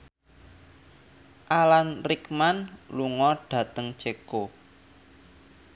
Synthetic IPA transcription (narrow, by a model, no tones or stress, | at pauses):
ʔalanrikmanluŋɔɖ̥ä̤t̪əŋt͡ʃeko